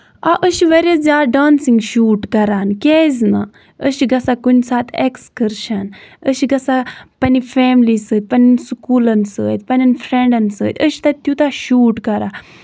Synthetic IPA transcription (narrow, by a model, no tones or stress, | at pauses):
a̰ʔəʃiʋɐɾʲɐzʲaːɖaːnsiŋɡʃuːʈkɐɾaːnkʲezna̰ | əʃiɡɐsakunsaːt̪ʰekskəɾʃɐnəʃiɡɐsapɐnifʰeːmlisəːt̪̚ʲpɐnʲinskuːlɐnsə̰ːt̪ʲpɐnʲɐnfʰɾeɳɖɐnsə̰ːt̪ʰʲəʃi̥t̪ɐt̪jut̪aʃuːʈkɐɾaː